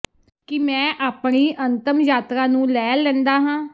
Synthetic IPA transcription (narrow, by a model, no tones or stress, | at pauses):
kɪmɛ̃ːʔaːpɳiːʔənt̪əmjaːt̪ɾãːnũːlɛːlɛ̃ːnd̪aːɦãː